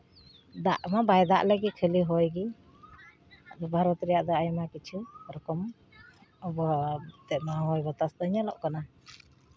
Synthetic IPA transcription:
d̪aʔmabajd̪a̰ʔləɡit̪̚kʰeliɦɔjɡi | ad̪ɔbʱaɾɔt̪ɾɛjaʔd̪aajmakit͡ʃʰuɾɔkɔm | ɔbɔt̪ɛt̪̚maɦɔjbɔt̪asd̪əɲalɔʔkana

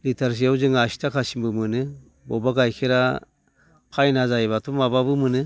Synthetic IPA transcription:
litʰaɾs̬iawzɯŋasi̥tʰakʰasimbɯmɯnɯ | bɔbaɡajkʰiɾa | pʰajnazajβatʰumababɯmɯnɯ

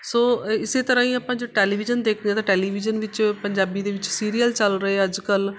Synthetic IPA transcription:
soːɪseːt̪əɾãːĩːaːpãːd͡ʒoːʈeːliːbɪd͡ʒənd̪eːkʰd̪eãːt̪ãːʈɛːliːbɪd͡ʒənʋɪt͡ʃpəɲd͡ʒaːbiːd̪eːʋɪt͡ʃsiːɾiːəlt͡ʃəlɾəɦeːəd͡ʒkəl

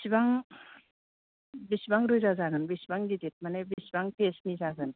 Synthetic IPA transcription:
bsibaŋ | bisibaŋɾɯjzazaɡɯnbisibaŋdidit̚manebisibaŋpʰesnizaɡɯn

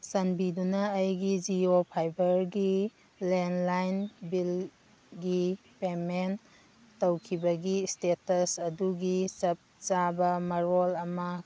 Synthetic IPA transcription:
sɐnbidunɐːjɡid͡ʒiopʰajbɐɾɡi | lenlajnbil | ɡi | pemen | tɐwkʰibɐɡistetɐsɐduɡisɐp̚t͡ʃabɐmɐɾolɐmɐ

